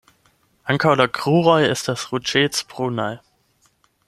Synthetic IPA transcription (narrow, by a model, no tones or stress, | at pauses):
ʔaŋkʰaodɐɡʁ̥uːʁɔʏɪstd̥asʁut͡ʃeːt͡spʁ̥uːnaɪ